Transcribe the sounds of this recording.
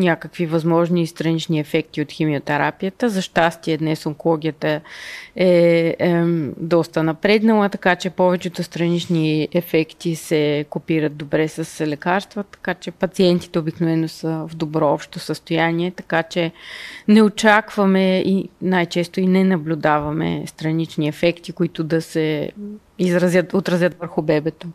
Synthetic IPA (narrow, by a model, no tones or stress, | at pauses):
nʲakəkvivɐzmɔʒnist̪ɾɐnit͡ʃniɛfɛk̚t̪iot̪ximiot̪ɛɾapijət̪əzɐʃt̪ast̪iəd̪nɛsoŋkolˠɔɡʲijət̪ə | ɛ | d̪ɔst̪ənɐpɾɛd̪nəlˠət̪ɐkat͡ʃɛpɔvɛt͡ʃɛt̪ʊst̪ɾɐnit͡ʃniɛfɛkt̪isɛkopiɾət̪̚d̪obɾɛsɐslɛkaɾst̪vət̪ɐ̥kat͡ʃɛpɐt̪siɛnt̪i̥t̪ɛobiknovɛnosəvd̪obɾɔɔpʃt̪osəst̪ojaniɛt̪ɐ̥kat͡ʃɛnɛot͡ʃakvɐmɛinajt͡ʃɛst̪oinɛnɐblʲʊd̪avɐmɛ̰st̪ɾɐnit͡ʃniɛfɛkt̪ikʊit̪ʊd̪ɐsɛ | izɾɐzʲjət̪ot̪ɾɐzjət̪vəɾxʊbɛbɛt̪o